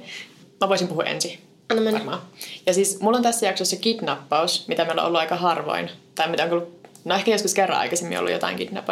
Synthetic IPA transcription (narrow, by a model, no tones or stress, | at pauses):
mæʋoɑsimpuhuɑʔḛnsi | ɑnːɑmenːmɑːjɑsiːsmulːont̪æsːæjɑksosːɑkid̪nɑpːɑusmit̪æmiolḛʔolːuʔɑjkɑɦɑrʋo̰int̪ɑimit̪æoŋkolːu | noehkæjoskuskerːɑ̰ʔɑ̰jkɑsemːḭo̰lṵjot̪ɑ̰iŋkid̪nɑ̰pː